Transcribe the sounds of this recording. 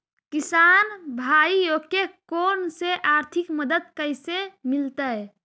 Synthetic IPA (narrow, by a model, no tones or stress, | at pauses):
kisaːnbʱaijokekonseʔaɾt̪ʰikməd̪əd̪̚kəɪsemilt̪əj